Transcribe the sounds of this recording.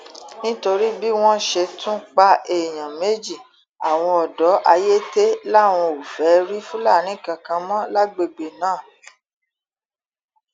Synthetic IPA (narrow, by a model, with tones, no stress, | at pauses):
nĩ˦to˧ɾi˦bi˦w̃ɔ̃˦ʃe˧tʰũ˦k͡pa˧ʔe˨j̃ã˨me˨˦d͡ʒi˦˨ | a˨w̃ɔ̃˧ɔ˨dɔ˨˦ʔa˧je˦te˦la˦˨w̃ɔ̃˧o˨fɛ˨˦ɾi˦fũ˦la˦˨nĩ˦˨kã˨kã˧mɔ̃˦la˦ɡ͡be˧˨ɡ͡be˨nãː˦˨